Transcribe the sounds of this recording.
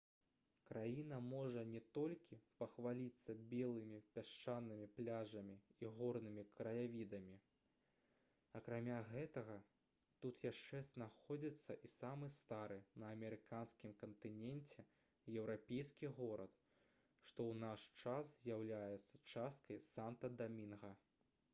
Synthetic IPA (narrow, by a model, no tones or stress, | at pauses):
kɾajinɐmɔʐɐnʲɛt̪ɔlʲkʲipɐxvalʲit̪sːɐbʲɛlˠɨmʲipʲaʂt͡ʂanːɨmʲiplʲaʐɐmʲiiɣɔrnɨmʲikɾɐjavʲid̪ɐmʲi | ɐkɾamʲaɣɛt̪ɐɣɐ | t̪ut̪jaʂt͡ʂɛznaxɔd͡zʲit̪sːɐʔisamɨst̪aɾɨnɐːmʲɛɾɨkanskʲimkɐnt̪ɨnʲɛnʲt͡sʲɛ | jɛwɾapʲejskʲiɣɔɾɐt̪ | ʂt̪ɔwnaʂt͡ʂaszʲjawlʲajɛt̪sːɐt͡ʂast̪̚kɐjsant̪ɐd̪amʲinɣɐ